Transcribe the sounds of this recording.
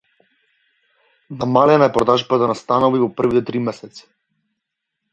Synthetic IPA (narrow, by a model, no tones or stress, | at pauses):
namalɛnaɛpɾɔd̪aʒbat̪anast̪anɔvivɔpr̩vit̪ɛt̪ɾimɛsɛt̪sɛ̥